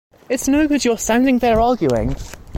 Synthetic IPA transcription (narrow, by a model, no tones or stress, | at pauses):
ɪtsnoʊɡʊdjəstãʊ̃ndɪ̃ŋðəɹɑːɡjuɪ̰̃ŋ